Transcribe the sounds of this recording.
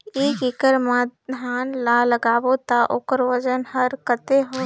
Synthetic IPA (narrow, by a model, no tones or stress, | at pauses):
eːkɪkəɾmaːɦaːnlaːləɡaːʋot̪aʔoːkəɾʋəd͡ʒənhəɾkət̪eɦo